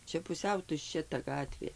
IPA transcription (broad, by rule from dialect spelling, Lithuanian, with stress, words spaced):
ˈt͡ʃʲɛ pʊˈsʲɛʊ tʊʃʲˈt͡ʃʲɛ tɐ ˈɡɑːtʲʋʲeː